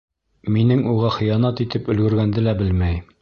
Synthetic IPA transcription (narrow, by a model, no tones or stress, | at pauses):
minɘŋuʁɑχɤ̆jɑnɑt̪it̪ɘpɵ̆lɡɵ̆ɾɡænd̪ɘlæbɘlmæj